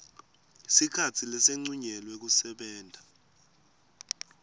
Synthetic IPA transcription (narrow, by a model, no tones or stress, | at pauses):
sikʰatʰilɛseŋ͡ǀuɲɛlwɛk̬usɛɓɛːndʱa